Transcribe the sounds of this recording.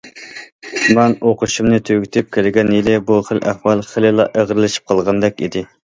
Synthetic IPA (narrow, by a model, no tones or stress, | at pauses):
mɛnoqʊʃumnɨt̪ʰøɡʲit̪ʰɪp̚kʲelɪɡʲɛnjilɪbuχəlʔæχwɑlˠχəlɪlˠɑʔəʁɾɨlˠɨʃi̥p̚qʰɑlˠʁɑnd̪ɛkʲid̪ɪ